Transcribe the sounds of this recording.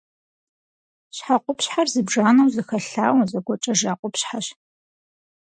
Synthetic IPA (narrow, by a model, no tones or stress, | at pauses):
ɕħaqʷʼʊpɕħarzɨbʐaːnɐwzɨxɐɬa̰ːwzɐɡʷɔt͡ʃʼɐʒaːqʷʼʊpɕħaɕ